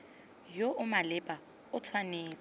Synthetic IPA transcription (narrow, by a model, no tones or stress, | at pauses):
joʔʊmalɪpʼa | ʊt͡sʰwaneːt͡sʼa